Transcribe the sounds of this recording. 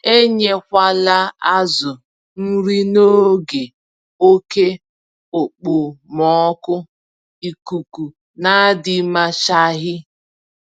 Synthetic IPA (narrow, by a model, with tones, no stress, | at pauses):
e˦ɲe˦kʷa˦la˦a˦zʊ˨ | n̩˦ɾi˦no˦ɡe˨ | o˦ke˦ | o˨k͡po˨mɔ˨˦kʊ˦ | i˨ku˨ku˨ | na˦dɪ˨ma˦ʃa˦ɦɪ˦